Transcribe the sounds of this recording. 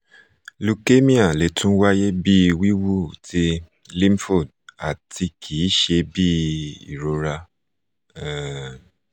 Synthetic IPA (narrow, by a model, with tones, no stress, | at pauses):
lu˧ke˦mĩ˦a˨le˨tũ˦wa˦je˦bi˦i˧wi˦wu˦ti˧ | lĩ˦mfo˦˨d̚ | a˨ti˧kʰi˨˦ʃe˧bi˦ḭ˨ɾo˨˧ɾa˧˨